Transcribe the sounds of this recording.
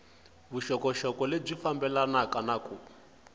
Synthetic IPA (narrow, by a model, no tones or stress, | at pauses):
βuʃɔkɔʃɔkɔleb͡ʐifambɛlanakanakuːpḁ